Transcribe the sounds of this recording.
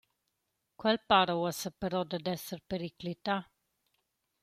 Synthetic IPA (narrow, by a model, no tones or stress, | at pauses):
kwəlpaɾəwəsəpeɾod̪əd̪esərpeɾiklit̪a